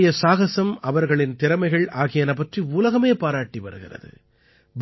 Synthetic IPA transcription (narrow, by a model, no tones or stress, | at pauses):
jɐsaːɣɐsɐmɐʋɐɾɣɐɭɪnt̪ɪɾɐmɐɪɣɐɭʔaːɣɪjɐnɐpːɐʈriʊlɐɣɐmeːpaːɾaːʈːiʋɐ̰ɾɯɣɪ̰rɐ̰ðɯ̰ | b